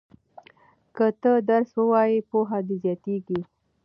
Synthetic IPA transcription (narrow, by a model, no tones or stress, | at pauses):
kət̪əd̪aɾswəwɑjipoɦad̪ezjɑt̪eɡi